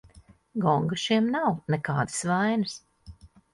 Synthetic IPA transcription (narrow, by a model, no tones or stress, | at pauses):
ɡɔŋɡaʃiɛmnawnekaːd̪ɨ̥svajnɨs